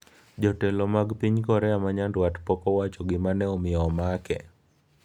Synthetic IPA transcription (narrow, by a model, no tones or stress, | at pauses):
d͡ʒɔtɛlɔmaɡpiɲkɔɾɛamaɲandwatpɔkɔwat͡ʃɔɡɪmanɛɔmɪɔmakɛ̰